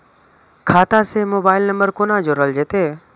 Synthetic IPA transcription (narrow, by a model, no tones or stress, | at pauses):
kʰaːt̪aːseːmoːbaːɪlnəmbəɾkoːnãːd͡ʒoːɾəld͡ʒeːt̪eː